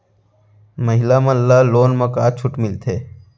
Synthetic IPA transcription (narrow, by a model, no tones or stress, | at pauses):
məɦɪlamãlːaːloːnməkaːt͡ʃʰʊʈmɪlt̪ʰeː